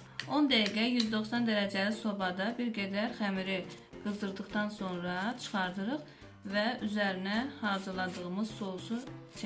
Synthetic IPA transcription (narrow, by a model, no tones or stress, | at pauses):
o̞nd̪æjiɡæjyzd̪o̞χsɑnd̪æɾæd͡ʒæliso̞bɑd̪ɑbiɾɡæd̪æɾχæmiɾi | ɡ̥ɯzd̪ɯɾd̪ɯχt̪ɑnso̞nɾɑt͡ʃʰɯ̥χɑɾd̪ɯɾɯχ | væyzæɾinæhɑɾzɯlˠɑd̪ɯʁɯmɯz̥sousut͡ʃʰ